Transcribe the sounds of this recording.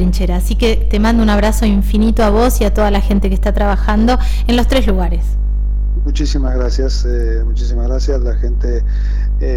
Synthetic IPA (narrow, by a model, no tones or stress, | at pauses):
ɾint͡ʃeɾaːsike̞t̪emãnd̪ounaβ̞ɾaso̞iɱfinit̪oaβo̞siat̪o̞ðalaxe̞nt̪ekest̪at̪ɾaβaxand̪o̞ | enlo̞st̪ɾe̞zluɣaɾe̞s | mut͡ʃisimazɣɾasjas | e | mut͡ʃisimazɣɾasjaslaxent̪e | e